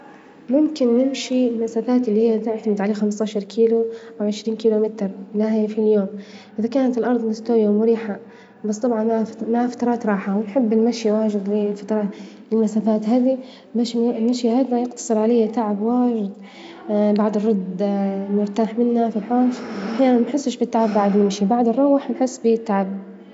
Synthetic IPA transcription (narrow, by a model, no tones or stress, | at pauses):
mʊmkɪnːɪmʃilmasafaːt̪ɪlːihijːat̪ɪʕt̪amɪd̪ʕaleːxamst̪ɑːʃɑɾˤkʰiːluʔawʕɪʃɾiːnkiːlomɪt̪ɾlahaːfiljoːmʔɪðakaːnat̪ɪlʔɑɾˤd̪ˤnɪst̪oːjamʊɾiːħa | bɑsːˤt̪ˤɑbʕɑnmaʕafḁt̪ɑɾˤɑːt̪ɾˤɑːħawɪnħɪbːɪlmaʃjawaːʒɪd̪ilfat̪ɾˤɑː | ɪlmasaːfaːt̪haːd̪i | baʃlmaʃjahad̪majɪɡt̪ɑ̥sˤɨɾʕalejːat̪aʕabwaːʒɪd̪ | baʕd̪ɨrˤːɑd̪mʊɾt̪aːħmɪnːafilħaːfʔaħjaːnanmaħɪsːɪʃbit̪ːaʕabːaʕad̪nɪmʃibaʕd̪ɨrˤːɑwaħnħɪsːbit̪ːaʕab̚